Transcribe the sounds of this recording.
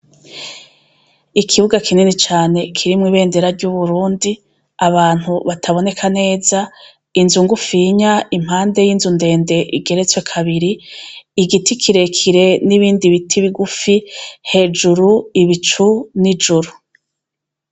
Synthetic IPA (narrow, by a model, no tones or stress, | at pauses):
ikʰiβuɡakʰininit͡ʃaːne̞kʰiɾimŋiːβe̞ːnde̞ɾaɾɟuβuɾuːndi | aβaːn̥huβatʰaβo̞ne̞kʰane̞ːza | inzuŋɡufiɲaim̥haːnde̞jinzunde̞ːnde̞ʔiɡe̞ɾe̞t͡swe̞kʰaβiɾiː | ɡitikʰiɾe̞kʰiɾe̞niβiːndiβitʰiβiɡufihe̞ːd͡ʒuɾuiβit͡ʃunid͡ʒuɾu